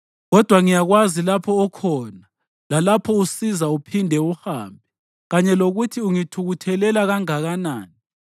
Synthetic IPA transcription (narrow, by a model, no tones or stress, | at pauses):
ɣɔd̥ʱwaŋijaɣwazilapʰɔːkʰɔna | lalapʰɔusizaupʰindʱɛuhaːmbʱɛ | ɣaɲɛloɣutʰiuŋitʰuɣutʰɛlɛlaɣaŋaɣanaːni